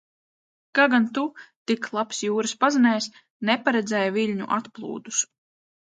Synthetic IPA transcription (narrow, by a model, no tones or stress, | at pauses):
kaɡant̪ut̪iklˠapsjuːɾɨspazanʲɛjs | nɛpaɾɛd̪zɛjavilʲɲṵʔat̪plˠṵːd̪us